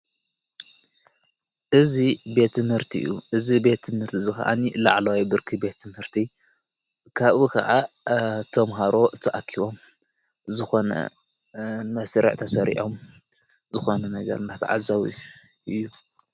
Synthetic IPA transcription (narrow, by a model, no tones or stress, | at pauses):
ʔɨzibe̞t̪ʰːɨmhɨɾt̪ʰiʔɨ̰jːuʔɨzibe̞t̪ʰːɨmhɨɾt̪ʰizɨxɐ̰ʔa̰nilaʕlawibɨɾkʰibe̞t̪ʰːɨmhɨɾt̪ʰi | kʰaβukʰɐ̰ʕat̪ʰɐmɦaɾo̞t̪ʰɐʔakʰiβo̞m | zɨxo̞nɐ̰ | mɐsɾɐ̰ʕt̪ʰɐsɐɾḭʔo̞m | zɨxo̞nɐnɐɡɐ̰ɾnat̪ʰʕa̰zaw | ʔɨjːu